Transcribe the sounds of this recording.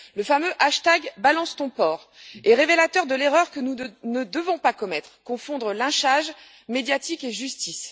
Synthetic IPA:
ləfamøʔaʃt̪aɡbalɑ̃st̪ɔ̃pɔʁ | eʁevelat̪œʁd̪əleʁœʁkənunəd̪əvɔ̃pakɔmɛt̪χkɔ̃fɔ̃d̪ʁəlɛ̃ʃaʒ | med̪jat̪ikeʒyst̪is

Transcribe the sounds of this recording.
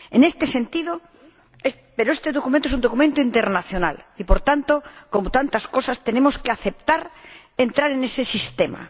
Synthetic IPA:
enest̪ese̞nt̪iðo | e | peɾoest̪eðokumẽnt̪oesund̪okumẽnt̪oint̪eɾnaθjona̰lipoɾt̪ant̪okomot̪ant̪askosast̪enemoskeaθep̚t̪aɾ | ent̪ɾaɾenesesist̪ema̰

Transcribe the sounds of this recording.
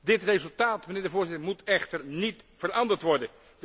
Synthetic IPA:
dɪtrezɵlˠtaːtməneːɹdəvoːɹzɪtəɹmutʰɛχtəɹnitfərɑndəɹtʋɔɹdən

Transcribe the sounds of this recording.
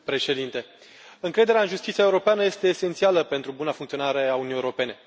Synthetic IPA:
pɾe̞ʃe̞d̪int̪e̞ | ɨŋkɾe̞d̪eɾeaɨnʒust̪it̪siae̞uɾo̞peanəje̞st̪e̞ːsent̪sialəpe̞nt̪ɾubunafuŋkt̪sio̞naɾe̞aunijeɾo̞pe̞ne̞

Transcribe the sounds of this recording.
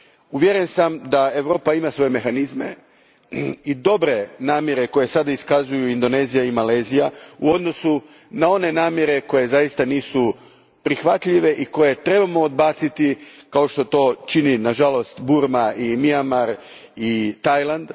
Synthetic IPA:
uʋjeɾe̞nsamd̪ae̞ʋɾo̞ːpaimasʋo̞je̞me̞xanizme̞̰ | id̪o̞bɾe̞naːmjeɾe̞ko̞je̞sad̪aiskazujuind̪o̞ne̞ːzijaimale̞ːzijauo̞d̪no̞su | nao̞ne̞naːmjeɾe̞ko̞je̞zajist̪aniːsu | pɾixʋat̪ʎiʋe̞ʔiko̞je̞t̪ɾe̞bamo̞ːd̪̚baːt̪sit̪ikao̞ʃt̪o̞t̪o̞t͡ʃininaʒalo̞st̪buɾmaimiamaɾ | it̪ajlˠand̪

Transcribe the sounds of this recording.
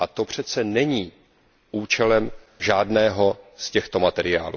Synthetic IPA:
ʔat̪o̞pr̝̥ɛt͡sɛnɛɲiː | ʔuːt͡ʃɛlɛm | ʒaːdnɛːɦo̞scɛxt̪o̞mat̪ɛɾɪja̰ːlṵ

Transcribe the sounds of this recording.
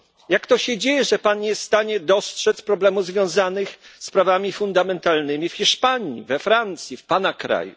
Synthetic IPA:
jakt̪ɔɕɛd͡ʑejɛʐɛpanɲɛst̪aɲɛd̪ɔstʂɛt̪spɾɔblɛmuvzvʲjɔ̃w̃zanɘxspɾavamʲifund̪amɛnt̪alnɘmʲifxʲiʂpaɲḭvɛfɾant̪sʲjifpanakɾa̰jṵ

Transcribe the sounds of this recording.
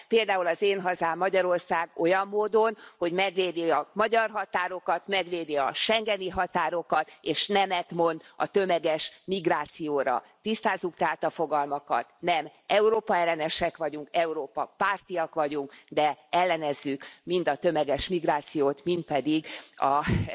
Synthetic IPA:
peːld̪aːulɒzeːnɦɒzaːmːɒɟɒɾo̞rsaːɡo̞jɒmːoːd̪o̞nho̞ɟmɛɡʋeːd̪iɒmɒɟɒrɦɒt̪aːɾo̞kɒt̪mɛɡʋeːd̪iɒʃɛŋɡɛniɦɒt̪aːɾo̞kɒt̪eːʃnɛmɛt̪mo̞nd̪ɒ̰t̪ø̞mɛɡɛʃmiɡraːt̪sijoːɾɒ̰ | t̪ist̪aːzːukt̪ɛɦat̪ɒfo̞ɡɒlmɒkɒ̰t̪nɛmɛuɾoːpɒɛlːɛnɛʃɛkʋɒɟuŋkɛuɾoːpɒpaːrt̪ijɒkʋɒɟuŋkd̪ɛɛlːɛnɛzːykmind̪ɒt̪ø̞mɛɡɛʃmiɡraːt̪sijoːt̪mint̪̚pɛd̪iɡɒ

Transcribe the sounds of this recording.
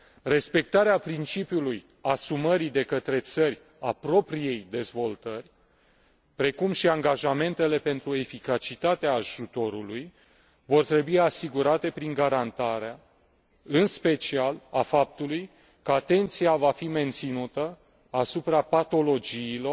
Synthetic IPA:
re̞spe̞k̚t̪aɾeapɾint͡ʃipjuluj | asuməɾid̪e̞kət̪ɾe̞t̪sərʲ | apɾo̞pɾije̞jd̪e̞zvo̞lt̪ərʲ | pɾe̞kumʃiaŋɡaʒame̞nt̪e̞le̞pe̞nt̪ɾue̞fikat͡ʃit̪at̪eaːʒut̪o̞ɾuluj | vo̞rt̪ɾe̞buiasiɡuɾat̪e̞pɾiŋɡaɾant̪aɾea | ɨnspe̞t͡ʃialafap̚t̪uluj | kəat̪e̞nt̪sijavafime̞nt̪sinut̪ə | asupɾapat̪o̞lo̞d͡ʒiːlo̞r

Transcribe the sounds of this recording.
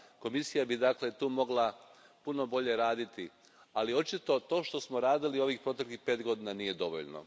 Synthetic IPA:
ko̞misijabid̪akle̞t̪uːmo̞ɡlapuno̞bo̞ʎe̞ɾaːd̪it̪i | alio̞t͡ʃit̪o̞t̪o̞ːʃt̪o̞smo̞ɾaːd̪ilio̞ʋiːxpɾo̞t̪e̞klixpe̞ːt̪ɡo̞d̪iːnanije̞d̪o̞ʋo̰ʎno̰

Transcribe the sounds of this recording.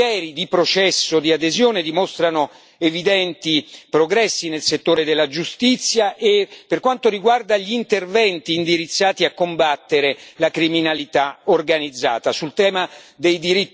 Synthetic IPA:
ɛːɾid̪ipɾot͡ʃɛsːod̪iad̪ezjoːned̪imost̪ɾano | evid̪ɛnt̪ipɾoɡɾɛsːinelset̪ːoːɾed̪elːad͡ʒust̪it̪sːjaʔepːerkwant̪oɾiɡward̪aʎiːnt̪ervɛnt̪iːnd̪iɾit̪sːaːt̪iakːombat̪ːeɾelakɾiminalit̪aorɡanid̪zːa̰ːt̪asult̪ɛːmad̪ejd̪iɾit̪

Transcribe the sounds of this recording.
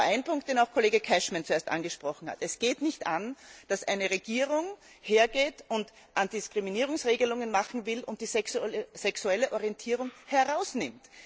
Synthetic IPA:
aɪnpʰʊŋk̚t̚d̥eːnaʊxkʰoleːɡəkʰɛʃmant͡sueːɐstʔa̰nɡəʃpʁ̥ɔχn̩ha̰tɛsɡ̥eːtnɪçtand̥asʔa̰ɪnəʁeɡ̥iːʁʊŋ | heːɐɡeːtʊnt | ʔand̥ɪskʁ̥iminiːʁ̞ʊŋsʁeːɡəlʊŋənmaχn̩vɪlʊ̰nt̚d̥iːssɛksuɛləʔɔʁiɛntʰiːʁʊŋhɛɐʁaʊsnɪmt

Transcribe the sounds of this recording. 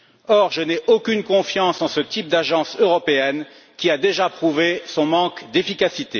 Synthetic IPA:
ɔʁʒənɛʔokʲynkɔ̃fjɑ̃sɑ̃sət̪ip̚d̪aʒɑ̃søʁɔpeɛn | kʲiad̪eʒapχuvesɔ̃mɑ̃kd̪efikasit̪e

